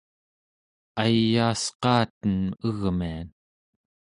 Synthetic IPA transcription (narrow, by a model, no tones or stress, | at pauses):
ajaːsqɑːt̪ənəɣmian